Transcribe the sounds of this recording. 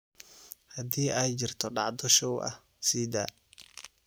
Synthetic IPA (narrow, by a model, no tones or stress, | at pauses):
hɐd̪iːʔɛjt͡ʃɪrt̪ʰɔɖɑʕd̪ɔʃɔwʔɐ̰h | siːd̪a̰ː